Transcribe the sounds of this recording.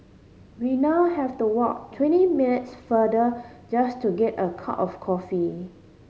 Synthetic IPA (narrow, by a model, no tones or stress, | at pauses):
winaʊhɛftuwɔk̚tʰwɛ̃ntiminɪtsfədə | d͡ʒastuɡɛtəkʰa̰pɔfkʰɔfi